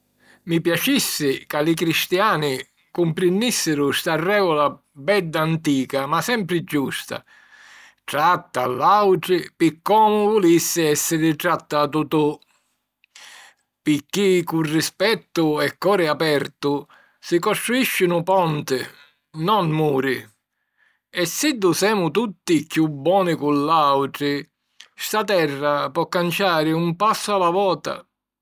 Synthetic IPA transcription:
mipjat͡ʃisːɪkalikɾist̪jaːnɪ | kumpɾɪndisːɪɾʊst̪arːɛːɡɔla | bɛd̪ːaant̪iːkamasɛmpɾɪd͡ʒːust̪a̰ | ʈɾat̪ːalːawʈɾɪpɪkːɔːmʊvulisːɪɛsːɪɾɪʈɾat̪ːat̪ut̪u | pɪkːikurːispɛt̪ːʊɛkːɔːɾɪapɛɾt̪ʊ | sikɔst̪ɾuiʃːɪnʊpɔnt̪ɪ | nɔnmuːɾɪ | ɛsːid̪ːusɛːmʊt̪ut̪ːikjubːɔːnɪkulːawʈɾɪ | st̪at̪ɛrːapɔkːant͡ʃaːɾɪumpasːʊalavɔːt̪a̰

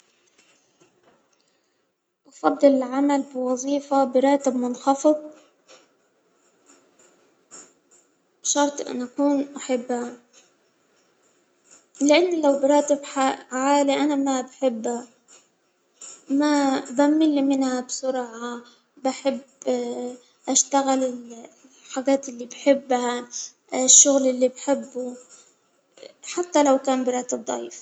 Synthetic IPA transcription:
ʔɑfɑd̪ˤːɨlɪlʕamalbɪwɑzˤiːfabɪɾˤɑːt̪ɪbmʊnxɑfɨðˤ | b̥ʃɑɾˤt̪ˤʔɪ̰nʔakuːnʔaħɪbːa | lɪʔanːlawbɪɾˤɑːt̪ɪbaʕaːliʔanamabaħɪbːa | mabamːɪlːimɪnhabsʊɾʕa | baħɪb | ʔaʃt̪aɣɪlɪl | ħaɡaːt̪ɪlːibħɪbːa | ʃːʊɣlɪlːibħɪbːu | ħat̪ːalawkaːnbɪɾˤɑːt̪ɪb̚d̪ˤɑ̰iːf

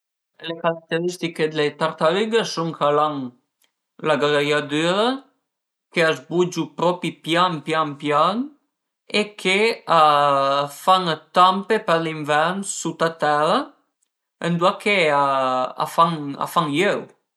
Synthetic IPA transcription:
lekaɾak̚t̪eɾist̪iked̪let̪aɾt̪aɾyɡəsuŋkʰalaŋ | laɡɾejad̪yɾə | keazbud͡ʒupɾɔpipjampjampjaŋ | ekʰea | faŋt̪ampepəɾliɱvɛɾnsut̪at̪ɛɾə | end̪wakʰeaa̰faŋa̰faŋjøw

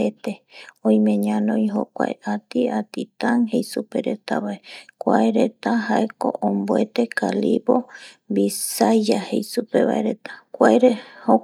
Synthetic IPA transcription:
et̪e̞õĩj̃mẽ̞ɲãnõjɦo̰kʷa̰eʔat̪iat̪it̪aŋɦejsupe̞ɾe̞t̪a̰βaekʷaeɾet̪aɦaʔeko̰ʔomboet̪e̞kalibobisad͡ʒahejsupe̞βa̰eɾe̞t̪ḁkʷaeɾeho

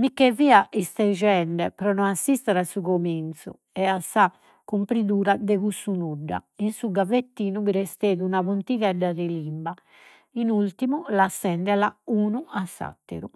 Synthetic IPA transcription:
mikːɛviːaʔist̪ɛd͡ʒɛɳɖɛpɾɔnɔnasːist̪ɛɾasuɣomint̪su | ɛasːa | kːumpɾiðuːɾad̪ɛɣusunuɖːa̰insuɡavet̪ːiːnuβiɾɛst̪eːðuunaβunt̪iɣɛɖːaðɛlimba | inult̪imulasːɛnd̪ɛlauːnuasːa̰t̪ːḛɾu

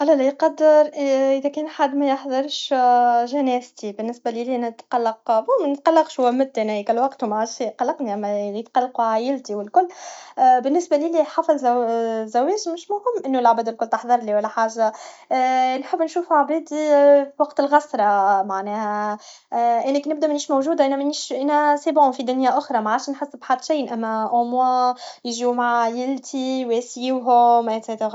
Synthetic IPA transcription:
ʔælːælijqɑd̪ːɪɾˤʔʔɪðækɛːnħad̪ːmæjəħðˤɑɾˤʃʒænæːst̪ibɪnːɪsbælilinɪt̪qɑlːɑqbumænɪt̪̚qɑlːɑqʃhʊwæmɪt̪ːænæikælwɑqt̪umaʕaiqɑlːɑqniʔæmːæjət̪qɑlːɑquʕaːjɪlt̪iwɪlkʊlːbɪnːɪsbæliliħɑfɑlzæwɛːʒmɪʃmʊhɪmːʔɪnːulʕabæːd̪ɪlkʊlːt̪ɑħðˤɑɾˤliwælːæħaːʒːa | nħəbːnʃuːfʕabæːd̪iwɑqt̪ɪlɣɑsɾˤɑmaʕnɛːhæ | ʔæːnækinɪbd̪æʔmæniːʃmowʒuːd̪aʔænæmæniʃʔæːnæsæːbʕʊfid̪ʊnjaʔʊxɾˤɑmaʕaːʃnħasːɪbħad̪ːʃijnʔæmːæʔomwæjʒimaʕjɪlt̪ʰiwesjiwɦʊmʔeseːt̪

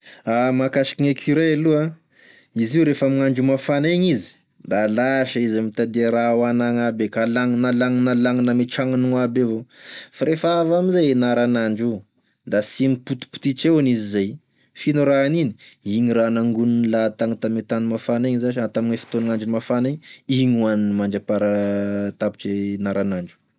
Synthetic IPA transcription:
amakaʃi̥kiɲekʰʲiɾajalua | iziuɾefamiŋaɳɖ͡ʐumafaneɲizi̥ | d̪alaʃaizamit̪ad̪eɾawanaŋabekalaŋnalaŋnalaŋnameʈ͡ʂaŋanuŋabevofaɾefəavamizeenaɾanaɳɖ͡ʐu | d̪asimiput̪u̥pu̥t̪it͡ʃewanizizaj | finuɾaanini̥iɲiɾanaŋɡunnlat̪aŋit̪amet̪animafaneɲzaʃat̪aminefi̥t̪onaŋaɳd͡ʒumafaneɲiɲuaninimaɳd͡ʒapaɾat̪api̥ʈ͡ʂenaɾanaɳɖ͡ʐu̥

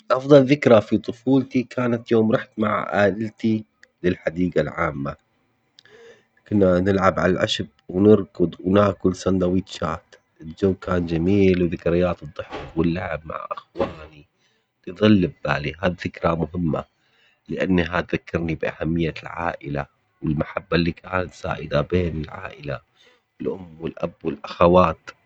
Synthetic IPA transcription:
ʔɑfðˤɑlðɪkɾˤafit̪ˤʊfuːlt̪ikʰaːnat̪joːmɾˤɑħt̪maʕʔaːʔɪlt̪i | lɪlħad̪iːɡalʕaːmːa | kʊnːanɪlʕabʕa̰lalʕa̰ʃb̚wnɪɾkʊd̪ˤwnaːkʊlsand̪awiːt̪ʃaːt̪ | ʔɪld͡ʒawːkaːnd͡ʒamiːlwðɪkɾɪjːaːt̪ɨd̪ˤːʊħfwɪlːaʕɪb̚ma̰ʕʔaxwaːni | liðˤɨlːɪbːaːliɦaːðθɪkɾamʊɦɪmːa̰ | lɪʔanːɦat̪ðakːɑɾnibʔa̰hamːɪjːalʕa̰ːʔɪla | wɪlmaħabːalːiːkʰaːnat̪sa̰ːʔɪd̪abeːnɪlʕa̰ːʔɪla | wɪlʔʊmːwɪlʔa̰bwɪlʔaxawaːt̪

